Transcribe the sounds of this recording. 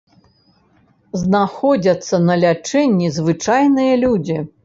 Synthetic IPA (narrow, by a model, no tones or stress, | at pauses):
znaxɔd͡zʲɐt̪sːɐnɐlʲat͡ʂɛnʲːizvɨt͡ʂajnɨjɐlʲud͡zʲi